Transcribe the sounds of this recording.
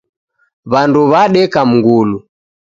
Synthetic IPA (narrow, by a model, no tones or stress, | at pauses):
βanduβaɗɛkam̩ŋɡulu